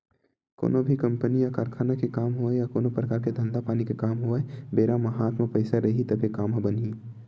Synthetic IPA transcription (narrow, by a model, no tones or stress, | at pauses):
ko̰ːnobʱikɐ̃mpənijakaːɾkʰaːnakekaːmɦoejakoːnopɾəkaːɾked̪ʱɐ̃nd̪apaːnikekaːmɦoɛbeːɾamɐɦaːt̪mepəɪsaɾɐɦit̪ɐbʱekaːmbənɦi